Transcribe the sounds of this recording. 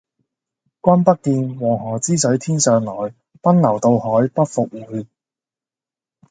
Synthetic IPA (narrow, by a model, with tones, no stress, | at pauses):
kʷɐ˥npɐ˥k̚t̪iː˧nwɔː˨˩ŋɦɔː˨˩t͡siː˥sɵ˨˥ɥt̪ʰiː˥nsœː˨ŋlɔː˨˩j | pɐ˥nnɐ˨˩wt̪o˧whɔː˨˥jpɐ˥t̚fʊ˨k̚wuː˨˧˥j